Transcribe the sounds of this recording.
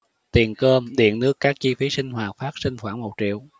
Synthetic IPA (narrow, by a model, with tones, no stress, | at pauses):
t̪i˨˩ənkəː˧mɗḭ˧˨ənnɨ˦˥əkːaː˦˥k̚t͡ɕi˧fi˨˦sï˧ŋ̟ɦwaː˨˩faː˦˥t̚si˧ŋ̟xwaː˧˩nmo˨˩t̚t͡ɕḭ˧˨əw